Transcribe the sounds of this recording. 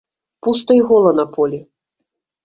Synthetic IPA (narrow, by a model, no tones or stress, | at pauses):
pust̪ɐiɣɔlˠɐnɐpʰɔlʲi